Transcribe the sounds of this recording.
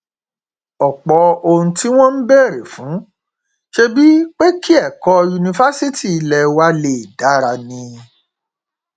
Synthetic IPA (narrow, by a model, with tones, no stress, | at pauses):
ɔ˨k͡pɔ˧o˧hũ˧ti˦w̃ɔ̃˦n̩˦bɛ˦˨ɾe˨fũ˨˦ | ʃe˦bi˦k͡pe˦kʰi˦ɛ˦˨kɔ˧ju˧nĩ˧fa˦si˦ti˦˨i˧˦lɛ˧wa˦le˨i˨da˨˦ɾa˧nĩ˧